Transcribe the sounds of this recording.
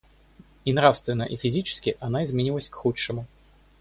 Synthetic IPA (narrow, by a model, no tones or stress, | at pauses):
inɾafst̪vʲɪnːə̰ʔɪfʲɪzʲit͡ɕɪ̥skʲɪʔɐnaɪzmʲɪnʲilˠəsʲkxuʂɨmʊ